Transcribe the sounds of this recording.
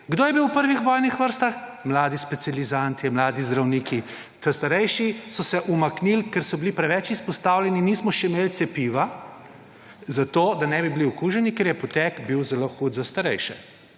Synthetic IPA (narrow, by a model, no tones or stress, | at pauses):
ɡd̪oːjɛbiwpəɾʋixʋɔjnixʋəɾst̪axmlaːd̪ispɛt̪sializant̪imlaːd̪izd̪ɾawniːkʰi | t̪əst̪aɾɛjʃisɔsɛʔumaknilkɛɾsɔbilipɾɛʋɛt͡ʃispɔst̪awlʲɛniniːsmɔʃɛimelt̪sɛpiʋa | zat̪oːd̪anɛbibiliɔkuʒɛnikeɾjɛpɔt̪ɛkbiwzɛloxud̪zast̪aɾɛjʃɛ̰